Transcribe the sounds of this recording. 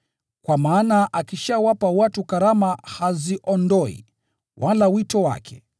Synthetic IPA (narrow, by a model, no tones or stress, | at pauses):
kwamaːnaʔakiʃawapawatukaɾamahaziʔɔndɔḭ | wʔalawitɔwa̰kʰɛ̰